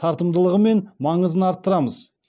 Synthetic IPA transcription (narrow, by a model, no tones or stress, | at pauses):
t̪ʰɑɾt̪əmd̪əlˠəʁəme̞nmɑɴəzənɑɾt̪ːəɾɑməz̥